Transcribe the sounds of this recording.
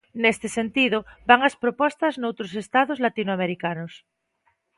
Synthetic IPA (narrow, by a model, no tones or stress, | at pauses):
nest̪esent̪iðobaŋaspɾopɔst̪aznowt̪ɾosest̪aðozlat̪inoameɾikanos